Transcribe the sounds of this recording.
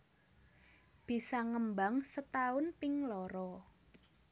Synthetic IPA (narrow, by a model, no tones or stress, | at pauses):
b̥i̤saŋəmbaŋsət̪aʊnpɪŋlɔɾɔ